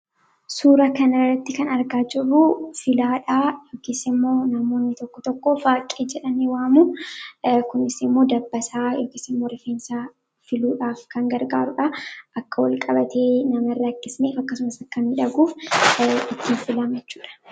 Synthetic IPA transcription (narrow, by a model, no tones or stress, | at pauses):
suːɾɐkɐnɐrːɐt̪ːɪkɐnɐɾɡaːd͡ʒɪrufɪlaːᶑaːjoːkɪsɪmːo̞ːnɐmo̞ːnːɪt̪ɔkːɔt̪ɔkːofaːkʼːeːd͡ʒɛᶑɐneːwaːmu | kʊnɪsɪmːo̞ːd̪ɐbːɐsaːjoːkɪsɪmːo̞ːɾɛfeːnsa | fɪluːᶑaːfkɐŋɡɐɾɡaːɾʊᶑɐʔɐkːɐwɐlkʼɐbɐt̪ʰeːnɐmɐrːɐkːɪsneːfɐkːɐsʊmɐsɐkːɐnɪᶑɐɡuːf | ɪt̪ːiːɱfɪlɐmjɛt͡ʃːuːᶑɐ̥